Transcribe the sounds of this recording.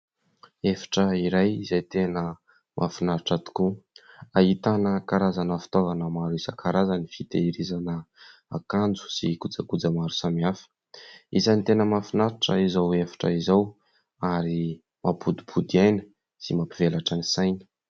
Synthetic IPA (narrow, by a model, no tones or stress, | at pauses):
efḁʈ͡ʂəiɾajizejt̪enə | mʔa̰finaɾiʈ͡ʂat̪i̥ku | ait̪anəkaɾazanəfi̥t̪ovanəmaɾuisəkaɾazanifit̪ḛiɾizanəa̰kand͡zu̥sikud͡zakud͡zamaɾusamiafə̥ | izanit̪enəmafinaɾiʈ͡ʂə̰izawefḁʈ͡ʂə̰izaw | aɾi | mʔapʰud̪ibʰud̪iajnə̥ | simapivelaʈ͡ʂənisajnə̥